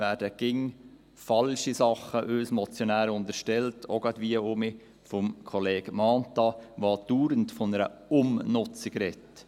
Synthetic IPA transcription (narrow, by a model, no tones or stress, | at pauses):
væːɾdəɡ̥ɪŋ | fɑlʃisɑχəʔøsmɔt͡sjonæːɾʊntəʃtɛltʰoɡɑdʋiːəʊmi | fɔmkʰɔleːɡ̥mɑːntɑʋɑːd̥uːɾəntfɔnəɾə̰ʊmnʊt͡sɪɡɾɛt